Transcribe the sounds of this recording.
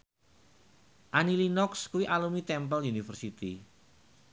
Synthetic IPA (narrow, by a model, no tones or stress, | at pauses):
ʔanilinɔkskuwiʔalumit̪ɛmpəliunifərsit̪i